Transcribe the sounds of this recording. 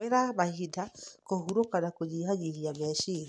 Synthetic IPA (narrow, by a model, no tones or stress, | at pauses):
eɾaβaɦidakohuɾokanakod͡ʒiɦaɲiɾiamɛʃi